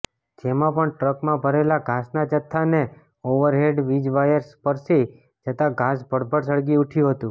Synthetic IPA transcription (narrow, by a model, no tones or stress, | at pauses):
d͡ʒemãpəɳʈɾəkmãbʱəɾelaɡʱasnat͡ʃət̪ʰːane | oʋəɾɦeɖʋid͡ʒʋajəɾspəɾsi | d͡ʒət̪ãɡʱasbʱəɽbʱəɾs̬əɽɡiuʈʰjũɦət̪ũ